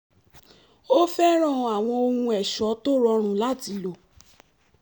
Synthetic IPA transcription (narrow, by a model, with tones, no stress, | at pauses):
o˦fɛ˦ɾ̃ɔ̃˦˨˧a˨w̃ɔ̃˧o˧hũ˧ɛ˨ʃɔ˨˦to˦ɾɔ˧ɾ̃ũ˨˦la˦˨ti˧lo˨